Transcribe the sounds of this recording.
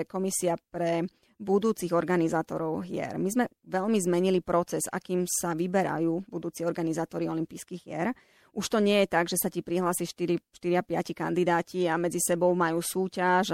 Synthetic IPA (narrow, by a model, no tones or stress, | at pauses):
kɔmisiapɾɛ | bud̪uːt͡siɣɔɾɡanizaːt̪ɔ̰ɾɔʊɦɪɛ̰ɾmizmɛʋɛʎmizmɛɲilipɾɔt͡sɛza̰kiːmsaʋibɛɾa̰juːbud̪uːt͡siɔɾɡanizaːt̪ɔɾiɔlimpiːskiːɣjɛɾ | ʔuʃt̪ɔɲɪɛjɛt̪aɡʒɛsacipɾiɦlaːsiʃt̪iɾiʃt̪iɾiapɪa̰cika̰nd̪id̪aːciamɛd͡zisɛbɔʊmajuːsuːcaʒ